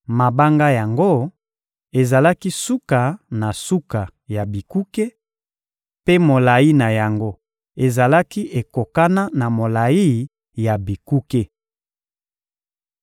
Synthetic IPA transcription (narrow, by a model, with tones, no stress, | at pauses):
ma˨ba˦ŋɡa˦ja˨ŋɡo˦ | e˨za˨la˦ki˦su˦ka˨na˨su˦ka˨ja˨bi˨ku˦ke˦ | pe˦mo˨la˨i˦na˨ja˨ŋɡo˦ | e˨za˨la˦ki˦ʔe˨ko˨ka˦na˦na˨mo˨la˨ji˦ | ja˨bi˨ku˦ke˦